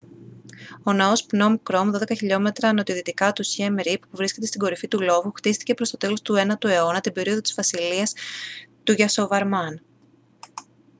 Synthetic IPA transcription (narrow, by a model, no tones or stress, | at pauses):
o̞nɐo̞spno̞mkɾo̞mðo̞ðe̞kɐçiʎo̞me̞t̪ɾɐno̞t̪iðit̪ikɐt̪usçemɾippuvɾisce̞t̪e̞st̪iɡo̞ɾifit̪ulo̞vuxt̪ist̪i̥ce̞pɾo̞st̪o̞t̪e̞lo̞st̪ue̞nɐt̪ue̞o̞nɐt̪ibe̞ɾio̞ðot̪i̥z̥vɐsiliɐst̪uʝɐso̞vɐɾmɐn